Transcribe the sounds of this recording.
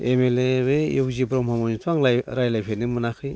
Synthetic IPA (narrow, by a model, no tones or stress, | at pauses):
emeleβejokzibɾɔmhamɔnitʰaŋlajɾajlajpʰenɯmɯnakʰɯj